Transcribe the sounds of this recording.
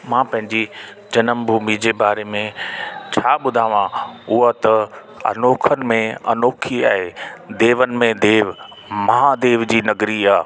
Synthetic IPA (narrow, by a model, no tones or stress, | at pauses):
mãːpɐ̃ɦɪ̃ɲd͡ʑi | d͡ʑɐnəmbʱumid͡ʑebaːɾemẽt͡ɕʰaːɓʊd̪ʱaːʋãʊɦət̪ɐ | ɐ̰noːkʰənɪ̆mẽɐ̰noːkʰiaːɦed̪eːʋənɪ̆mẽd̪eːʋ | mɐɦaːd̪eːʋd͡ʑiːnɐɡɾiaː